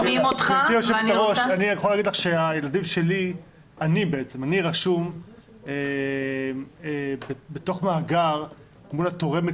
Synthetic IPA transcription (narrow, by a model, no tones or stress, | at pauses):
imotχatijoʃevaʁoʃanijeχolaːɡid̪laχʃeaje̞lad̪imʃe̞li | anibeet͡se̞maniʁaʃum | e | ebebet̪o̞χmaaɡaʁ | mulat̪o̞ʁe̞me